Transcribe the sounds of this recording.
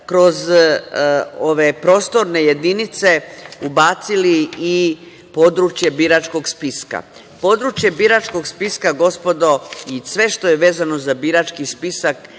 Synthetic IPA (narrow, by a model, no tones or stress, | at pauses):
kɾo̞z | o̞ʋe̞pɾo̞ːst̪o̞ɾne̞je̞d̪init̪se̞ubaːt̪silii | po̞d̪ɾut͡ʃje̞biɾat͡ʃko̞ɡspiska̰ | po̞d̪ɾut͡ʃje̞biɾat͡ʃko̞ɡspiskaɡo̞spo̞d̪o̞isʋe̞ʃt̪o̞je̞ʋe̞ːzano̞zabiɾat͡ʃkispisak